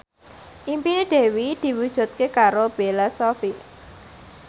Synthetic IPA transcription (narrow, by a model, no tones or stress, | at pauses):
ʔimpineɖ̪̥e̤wid̪̥i̤wud̥ʒ̥ṳt̪̚kekaɾob̥elasɔfi